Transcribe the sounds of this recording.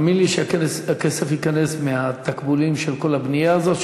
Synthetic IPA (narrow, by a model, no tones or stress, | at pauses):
minliʃeakesakesefhikane̞smeat̪akbulimʃelko̞labnijaːzot̪